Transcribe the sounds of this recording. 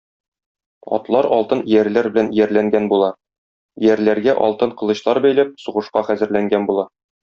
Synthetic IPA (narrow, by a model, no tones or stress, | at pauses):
ɒ̰t̪lˠɑɾɒlˠt̪ɤnjæɾlæɾbɘ̆lænjæɾlæŋɡænbulˠɑ | jæɾlæɾɡæʔɒ̰lˠt̪ɤɴqɤ̆lˠɤ̆ɕlˠɑɾbæjlæp̚suʁɤ̆ʃqɑχæzɘ̆ɾlæŋɡænbulˠɑ